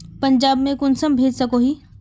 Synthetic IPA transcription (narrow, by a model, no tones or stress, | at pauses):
pɐ̃ɲd͡ʑaːbmẽkʊnsəmbʱeːd͡ʒsɐkoɦiː